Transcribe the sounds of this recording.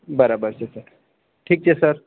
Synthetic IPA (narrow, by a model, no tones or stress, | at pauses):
bəɾabəɾt͡ɕesəɾ | ʈʰiːk̚t͡ɕʰesəɾ